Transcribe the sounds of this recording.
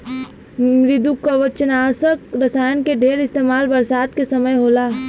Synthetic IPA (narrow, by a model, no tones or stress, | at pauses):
mɾɪd̪ukːaʋət͡ʃənaːsəkɾɐsaːjənkeɖʱeːɾɪst̪eːmaːlbəɾsaːd̪kesɐməjɦoːlaː